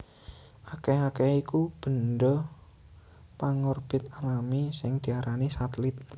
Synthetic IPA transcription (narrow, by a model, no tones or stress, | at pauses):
ʔakeakɛikub̥ə̤nɖɔ | paŋɔrb̥ɪt̪̚alamisɪŋd̪̥i̤aɾanisat̪lɪt̪̚